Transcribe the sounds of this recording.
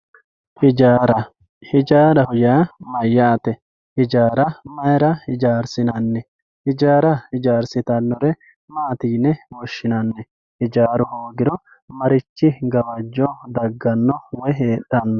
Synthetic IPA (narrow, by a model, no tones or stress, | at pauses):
hɪd͡ʒaːɾɐ | hɪd͡ʒaːɾɐhʊjaːmɐjːaːt̪ɛ | hɪd͡ʒaːɾɐmɐjɾɐhɪd͡ʒaːɾsɪnɐnːɛ | hɪd͡ʒaːɾɐhɪd͡ʒaːɾsɪt̪ɐnːɔɾɛ | maːt̪iːnɛwɔʃːɪnɐnːɛ | hɪd͡ʒaːɾʊhoːɡɪɾɔ | mɐɾɪt͡ʃːɪɡɐwɐd͡ʒːɔd̪ɐɡːɐnːɔwɛɦeːɗːɐnːɔ